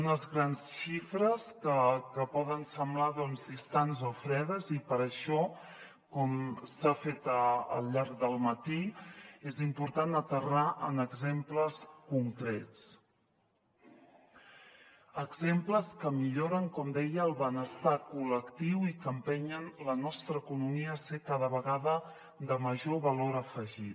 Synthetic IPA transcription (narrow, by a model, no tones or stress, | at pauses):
unəzɣɾansʃifɾəskəkəpɔðənsəmblaðɔnzðist̪anzofɾɛðəzipəɾəʃɔ | kɔmsafet̪əə̰lʎaɾɡd̪əlˠmət̪iezimpuɾt̪anət̪əraʔənəɡzempləskuŋkɾɛt͡s | əɡzempləskəmiʎoɾəŋkɔmd̪ɛjəːlˠβənəst̪akuləkt̪iwikəmpɛɲənlənɔst̪ɾəːkunumiəːsekaðəβəɣaðə | d̪əməʒoβəloɾəfəʒit̪̚